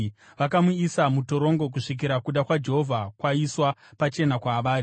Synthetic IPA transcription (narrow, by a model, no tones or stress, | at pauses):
ʋakamuisamuto̞ɾo̞ŋɡo̞k̬uʂik̬iɾakuɗakwad͡ʒe̞ɦo̞vʱakwaiswapat͡ʃe̞nakwaːʋaːɾi